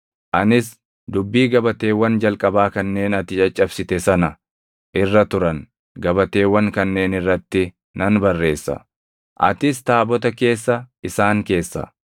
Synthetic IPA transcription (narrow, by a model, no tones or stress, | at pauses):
ʔɐnɪs | d̪ʊbːiːɡɐbɐt̪e̞ːwːɐnd͡ʒɐlkʼɐbaːkɐnːe̞ːnɐt̪ɪt͡ʃʼɐt͡ʃʼːɐbsɪt̪ɛsɐnɐ | ʔɪrːɐt̪ʊɾɐn | ɡɐbɐt̪e̞ːwːɐŋkɐnːe̞ːnɪrːɐt̪ːɪ | nɐnbɐrːe̞ːsːɐ̰ | ʔɐ̰t̪ɪs̬t̪aːbɔt̪̬ɐke̞ːsːɐɪsaːŋke̞ːsːɐ̰